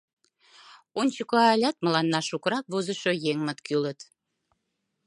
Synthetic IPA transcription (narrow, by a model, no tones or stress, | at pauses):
onʲt͡ɕəkoɑlʲɑt̪̚mə̆lɑnːɑʃukɾɑk̚βozəʃojeŋmət̪kylət̪